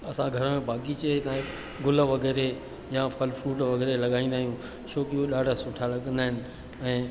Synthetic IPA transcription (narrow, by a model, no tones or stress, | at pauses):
ɐsãɡʱɐɾəmẽbʱaːɡit͡ɕeet̪ãː | ɡʊləʋɐɡɛːɾe | jãfʰɐlfuːʈʋɐɡɛːɾelɐɡaːĩnd̪aːɦijũ | ʃʰoːkijũɗaːɖʱə̆sʊʈʰalɐɠə̃nd̪aːɦɪnɪ̆ | ɛ̃ː